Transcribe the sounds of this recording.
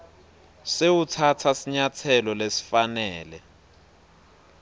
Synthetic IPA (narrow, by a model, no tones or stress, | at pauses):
sewutʰatʰasiɲatʰɛlɔlesi̥fanɛːlɛ